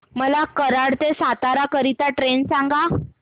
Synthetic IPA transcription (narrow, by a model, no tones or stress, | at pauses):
məlakəɾaɽt̪esat̪aɾakəɾit̪aʈɾensaŋɡa